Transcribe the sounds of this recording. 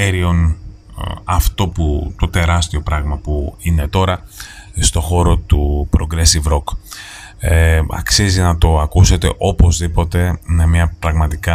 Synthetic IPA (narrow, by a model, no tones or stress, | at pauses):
eɾio̞n | ɐft̪o̞put̪o̞t̪e̞ɾɐst̪io̞pɾɐɣmɐpuine̞t̪o̞ɾɐ | st̪o̞xo̞ɾo̞t̪upɾo̞ɡɾesivɾo̞k | ɐ̰ksizinɐt̪o̞ɐkuse̞t̪e̞̰ʔo̞po̞zðipo̞t̪e̞memɲɐpɾɐɣmɐt̪ikɐ